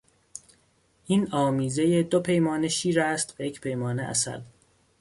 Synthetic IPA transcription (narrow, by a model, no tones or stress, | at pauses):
ʔiːnɒːmiːzejed̪opʰe̞jmɒːne̞ʃiːɾæːst̪væjecʰpʰe̞jmɒːneʔæ̰sæ̰l